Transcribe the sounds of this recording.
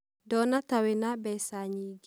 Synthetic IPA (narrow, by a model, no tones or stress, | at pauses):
dɔnatawinabɛsaɲiɡ